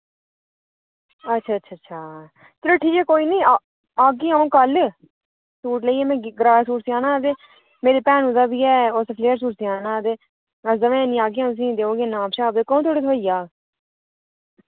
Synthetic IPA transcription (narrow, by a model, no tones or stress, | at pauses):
ətːʃʰaːtːʃʰaːtːʃʰaː | t̪ɪɾeʈʰiːkɛːkoːiːnĩː | aːɡiãːõːkəl | suːʈləiːɛːmɛ̃ːɡɾaːsuːʈsiaːnãːt̪eː | meːɾeːpɛːnũːzaːbiːɛːoːsepʰleːəɾs̬uːʈsiaːnãːt̪eː | əsd̪əʋẽːnĩːaːɡiːãːs̬ĩːd̪eːõːɡeːnaːmʃaːbd̪eːkõːt̪ʰoːɽeːt̪ʰoːijaː